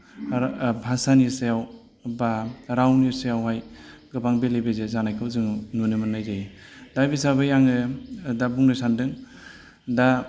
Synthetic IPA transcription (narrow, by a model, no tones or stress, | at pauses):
bʱasanisejaw | baɾawniɾsejawɦajɡɯbaŋbelebezezanajkʰɯwzɯŋnunimɯnːajzaj | dabisabɯjaŋɯdabuŋnɯsandɯŋ | da